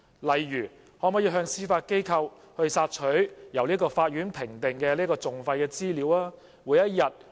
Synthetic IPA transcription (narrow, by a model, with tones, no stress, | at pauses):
lɐ˨jjyː˨˩ | hɔː˨˥mɔ˨˥jiː˨˧ɦœː˧ŋsiː˥faː˧t̚ke˥jkʰɐ˧w | hɵ˧ɥsaː˧t̚t͡ʃʰɵ˨˥ɥjɐ˨˩wliː˥kɔː˧faː˧t̚jyː˨˥npʰɪ˨˩ŋt̪ɪ˨ŋkɛː˧liː˥kɔː˧t͡sʊ˨ŋfɐ˧jkɛː˧t͡siː˥liː˨˥wlaː˥ | wuː˨˥jɐ˥t̚jɐ˨t̚